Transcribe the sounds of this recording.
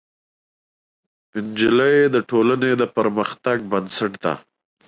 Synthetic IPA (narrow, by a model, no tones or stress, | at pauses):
ɪnd͡ʒɪləjd̪əʈolaned̪əpəɾməxt̪aɡ̚bənsaʈd̪a̰